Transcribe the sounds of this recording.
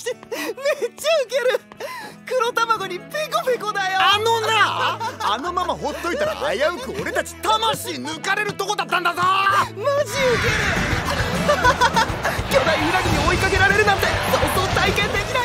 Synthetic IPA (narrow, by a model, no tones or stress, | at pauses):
met͡ɕːaɯ̟ke̞ɾɯkɯ̟ɾo̞t̪amaɡo̞ɲ̟ipikobikod̪ajoano̞naano̞mamaɦo̞t̪ːo̞it̪aɾa̰ʔa̰jaɯ̟kɯ̟o̞ɾe̞t̪at͡ɕi̥t̪amaɕiːnɯ̟kaɾe̞ɾɯ̟t̪o̞ko̞d̪at̪ːãnd̪azamaʑiɯkeɾɯ | kʲo̞d̪aihɯɾakiɲ̟io̞ikake̞ɾaɾe̞ɾɯ̟nãnt̪e̞sot̪ot̪aikẽ̞nd̪e̞kʲina